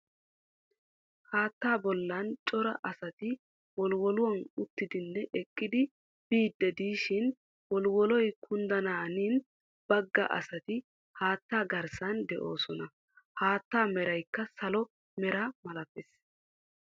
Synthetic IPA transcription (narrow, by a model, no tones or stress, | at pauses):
haːt̪ːaːbɔlːɐnt͡ʃʼɔɾɐʔɐsɐt̪ɪ | wɔlwɔlʊwɐnʊt̪ːɪd̪ɪnːɛʔɛkʼːɪd̪ɪ | b̥iːd̪ːɛd̪iːʃɪn | wɔlwɔlɔjkʰʊnd̪ɐnaːniːn | b̥ɐɡːɐ̰ʔɐ̰sɐt̪ɪ | haːt̪ːaːɡɐɾsɐnd̪ɛʔo̞ːsɔnɐ | haːt̪ːaːmɛɾɐjkːɐsɐlɔ | mɛɾamɐlɐpːɛs